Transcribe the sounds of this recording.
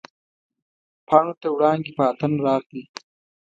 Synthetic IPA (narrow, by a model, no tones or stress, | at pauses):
pʰɑːɳot̪awɽɑːŋɡipɑːt̪ənɾɑːxli